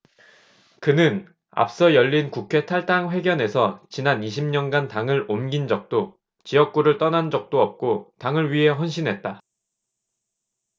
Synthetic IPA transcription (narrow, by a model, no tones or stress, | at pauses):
kɯnɯn | a̰p̚s͈ʌjʌʎːinkukʰe̞tʰaɭt͈aŋɸwe̞ɡjʌne̞sʰʌt͡ɕinaniɕʰimɲʌnɡantaŋɯɾomɡind͡ʑʌk̚t͈o | t͡ɕijʌk̚k͈uɾɯɭt͈ʌnand͡ʑʌk̚t͈oʌp̚k͈otaŋɯɭɥiɦe̞ɦwʌnɕ̬ʰinɦe̞t̚t͈a